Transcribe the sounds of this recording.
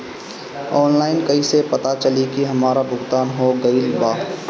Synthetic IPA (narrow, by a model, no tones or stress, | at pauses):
ɔːnlaːɪnkɐisepɐt̪at͡ʃɐlikiɦɐmaːɾabʱʊɡt̪aːnɦoɡɐilbaː